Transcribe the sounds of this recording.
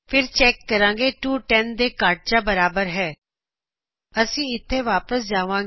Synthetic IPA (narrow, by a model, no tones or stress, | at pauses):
pʰɪɾt͡ʃɛːkːəɾãːɡeːʈuːʈɛnd̪eːkaːʈ̚d͡ʒaːbəɾaːbəɾɦɛː | əsĩːɪt̪ʰːeːʋaːpəs̬d͡ʒaːʋãː